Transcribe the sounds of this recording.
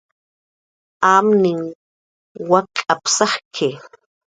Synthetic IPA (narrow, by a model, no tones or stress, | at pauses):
aːmnɪŋ | wakʼapsahkʰe